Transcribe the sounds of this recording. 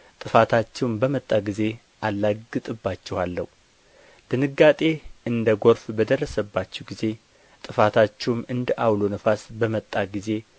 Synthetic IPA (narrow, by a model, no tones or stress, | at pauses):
t̪ʼɨfat̪ʰat͡ʃːɛwmbəmət̪ʼːaɡize̞ | ʔalːaɡɨt̪ʼɨbːat͡ʃːɛhalːə̰hu | d̪̥ɨnɨɡːat̪ʼe̞ɨnd̪əɡo̞ɾfbəd̪ərːəsəbːat͡ʃːɛwɡize̞ | t̪ʼɨfat̪ʰat͡ʃːɛwmɨnd̪əʔawlonəfasbəmət̪ʼːaɡize̞